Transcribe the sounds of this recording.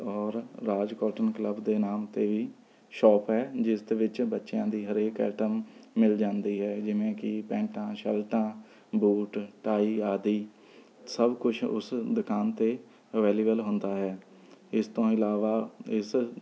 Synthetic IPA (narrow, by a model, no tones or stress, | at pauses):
ɔːɾːaːd͡ʒkɔːʈənkləbd̪eːnaːmt̪eːʋiː | ʃɔːpɦɛːd͡ʒɪsd̪eːʋɪt͡ʃbətːʃjãːd̪iːɦəɾeːkɛ̰ːʈəmːɪld͡ʒãːnd̪iːɦɛːd͡ʒɪʋẽːkɪpɛ̃ːɳʈãːʃəlʈãː | buːʈʈaːiːaːd̪iː | səbkʊt͡ʃʰʊ̰sd̪ʊkaːnt̪eː | əʋɛːliːbəlɦʊnd̪aːɦɛː | ɪst̪õːɪlaːʋaːɪs